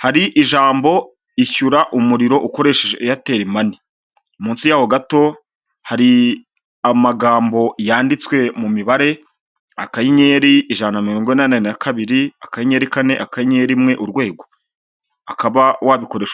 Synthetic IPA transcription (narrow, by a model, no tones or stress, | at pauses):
haɾiʔiʒaːmbo̞ | içuɾaʔumuɾiɾo̞ʔuko̞ɾe̞ʃeʒejate̞ːɾimani | umuːnsijaːwo̞ɡato̞ | haɾi | amaɡaːmbo̞jaːndit͡swe̞mumiβaɾe̞ | akajiɲe̞ɾiiʒanamiɾoːŋɡonanainakaβiɾiakajiɲe̞ːɾikane̞ʔakajiɲe̞ɾimŋe̞ʔuɾɡwe̞ːɡo̞ | akaβawaβiko̞ɾe̞ːʃ